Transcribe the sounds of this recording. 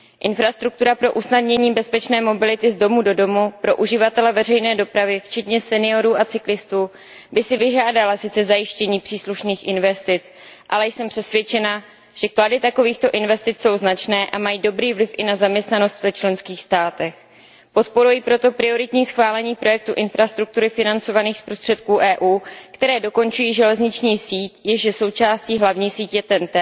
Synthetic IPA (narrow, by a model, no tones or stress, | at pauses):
ʔɪnfɾast̪ɾuk̚t̪uɾapɾo̞ʔusnadɲɛɲiːbɛspɛt͡ʃnɛːmo̞bɪlɪt̪ɪzdo̞mudo̞do̞mupɾo̞ʔuʒɪvat̪ɛlɛvɛrɛjnɛːdo̞pɾavɪft͡ʃɛt̪ɲɛsɛnɪo̞ɾuːʔat͡sɪklɪst̪uː | bɪsɪvɪʒaːdalasɪt͡sɛzajɪʃcɛɲiːpr̥iːsluʃniːxʔɪnvɛst̪ɪt͡s | ʔalɛjsɛmpr̥ɛsvjɛt͡ʃɛna | ʒ̥ɛkladɪt̪ako̞viːxt̪o̞ʔɪnvɛst̪ɪt͡sso̞wznat͡ʃnɛːʔamajiːdo̞bɾiːvlɪfʔɪnazamɲɛst̪nano̞st̪vɛt͡ʃlɛnskiːxst̪aːt̪ɛx | po̞t̪po̞ɾujipɾo̞t̪o̞pɾɪo̞ɾɪt̪ɲiːsxvaːlɛɲiːpɾo̞jɛk̚t̪uʔɪnfɾast̪ɾuk̚t̪uɾɪfɪnant͡so̞vaniːxspɾo̞st̪r̝̥ɛt̪kuːʔɛːʔuːkt̪ɛɾɛːdo̞ko̞nt͡ʃujiːʒɛlɛzɲɪt͡ʃɲiːsiːcjɛʒɛso̞wt͡ʃaːsciːɦlavɲiːsiːcjɛt̪ɛnt̪ɛ